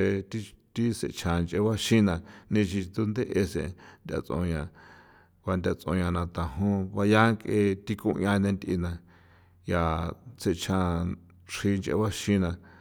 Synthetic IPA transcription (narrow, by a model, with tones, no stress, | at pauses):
e˧t̪i˦t̪i˦sḛ˧˨t͡ʃʰã˧nt͡ʃʔe˧βa˦ʃĩ˦nã˧nĩ˧t͡ʃi˧t̪d̪u˧nd̪e˦ʔe˧sḛ̃˨nd̪ʲa̰˧t͡sõ̰˧ɲã˧˨ | βa˧nd̪ʲa˧t͡sõ˧ɲã˧nã˧t̪ã˨ɦõ˦βa˧ja˦kʼe˧t̪i˧kũ˧ʔɲã˧nẽ˧nd̪ʲʔḭ˧nã˧ | ja˨t͡se˧t͡ʃʰã˧ | ʂi˧nt͡ʃʔḛ˧βa˦ʃĩ˦nã˧